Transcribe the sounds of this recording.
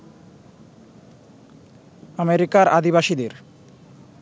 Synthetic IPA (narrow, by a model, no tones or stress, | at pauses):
ameɾikaɾad̪iβaʃid̪eɾ